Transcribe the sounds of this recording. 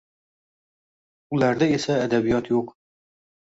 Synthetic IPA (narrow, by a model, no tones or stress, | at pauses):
ulæɾd̪ɛesɛːd̪æbijɑt̪ʰjoq